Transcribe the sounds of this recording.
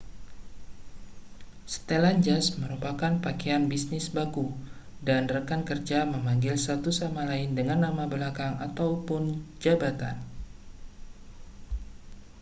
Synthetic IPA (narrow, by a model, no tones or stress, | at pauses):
sə̥t̪eland͡ʒasməɾupakanpakeanbisnɪsbaɡu | danrəkankərd͡ʒaməmaŋɡɪlsat̪usamalaɪndəŋanːamabəlakaŋa̰t̪awpʊnd͡ʒabat̪a̰n